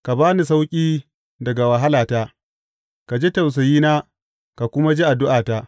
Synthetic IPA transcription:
ka˨baː˦ni˨s̬a˦wkʲʼiː˦ | dɐ˨ɡa˨wa˨ɦa˦laː˨taː˦ | ka˨d͡ʒe˦ta˨ws̬ɐ˨jiː˦naː˦ | ka˨kʷʊ˦ma˦d͡ʒi˦ʔa˨dʊ˦ʔaː˨taː˦

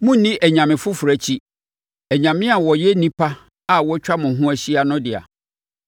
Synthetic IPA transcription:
mʊ̃˦nĩ˦ʔæ˨ɲã˨mɪ̃˨fʊ˦fʊ˨ɾæ˨t͡ɕʰi˦ | æ˨ɲã˨mɪ̃˦a˨wɔ˨jɛ˦nĩ˦pʰa˦ | a˨wɔ˦t͡ɕᶣa˦mʊ̃˨ɦʊ̃˦æ˦ɕi˦a˨nʊ̃˦dɪ˨a̰˨

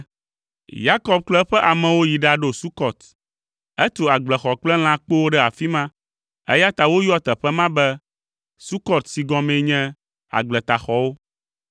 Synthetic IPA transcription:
ja˦kɔ˦b̚klɛ˦ɸɛ˦ʔa˨mɛ̃˨wo˦ji˨ɖa˨ɖo˨su˦kɔ˨t̪ | ɛ˦t̪o˨a˨ɡ͡blɛ˨xɔ˨k͡plɛ˦l̃ã˦k͡po˦wo˦ɖɛ˦a˨fi˦mã˦ | ɛ̰˦ja˦t̪a˨wo˦ju˦ɔ˦t̪ɛ˨ɸɛ˦mã˦bɛ˦ | su˦kɔ˦t̪si˨ɡɔ̃˦mɛ̃˨˦ɲɛ̃˦ | a̰˨ɡ͡blɛ˨t̪a˨xɔ˨wo˦

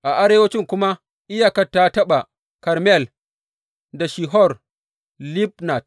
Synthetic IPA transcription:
ʔa˨ʔa˦ɾeː˦wɐ˦t͡ʃɪ˦ŋkʷʊ˦ma˦ | ʔɪ˦ja˨kɐ˦tːa˦tɐ˦ɓa˨ | kɐ˨ɾmɛ˦˨l | da˨ʃi˨ɦɔ˦˨r | li˦bna˨t̚

